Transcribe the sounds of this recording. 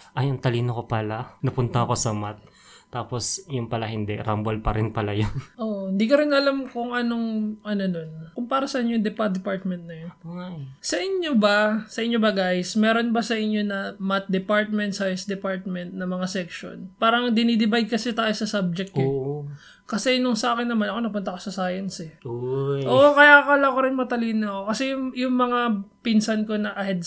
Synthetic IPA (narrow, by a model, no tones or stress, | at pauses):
ʔɐjɐnt̪ɐliːnokopalanɐpʊnt̪ɐɐko̞sɐmat̪̚ː | aːpo̞sjʊnpɐlahɪnd̪ɛ̰ɾambolpɐɾɪnpɐlajonʔoːʔoɪ̃nd̪iːkoɾɪnɐlamkʊŋʔɐno̞ŋʔɐno̞no̞nkʊŋpaːɾɐsɐʔɪɲːojŋd̪ɛpat̪̚d̪ɛpaɹt̪̚mɛnt̪̚nɐjonajsɐʔɪɲjobɐsɐʔɪɲːobɐɡajsmɛːɾo̞nbɐsɐʔɪɲːo̞nɐmɐt̪̚d̪ɛpaɹt̪̚mɛnt̪sajɐnsd̪ɛpaɹt̪̚mɛnt̪̚nɐmɐŋasɛkʃo̞̰npaːɾɐŋd̪ɪniːd̪ɪbajd̪̚kɐsɛt̪aːjosɐsab̚d͡ʒɛk̚t̪ɲo | kɐsɛnoŋsɐʔaːkɛnːɐmanɐko̞nɐpʊnt̪ɐkosɐsaːjɐnsɛ | ʔoʔokɐjakɐlakoɾɪnmɐt̪ɐliːnɐkokɐsɛjʊjʊŋmɐŋapɪnsɐnko̞nɐʔɐhɛd̪̚